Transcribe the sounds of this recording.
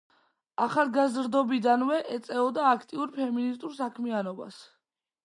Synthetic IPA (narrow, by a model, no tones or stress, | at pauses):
aχalˠɡazɾd̪ɔbid̪anvɛʔɛt̪sʼɛɔd̪aːkʰt̪ʼiuɾpʰɛminist̪ʼuɾsakʰmianɔba̰s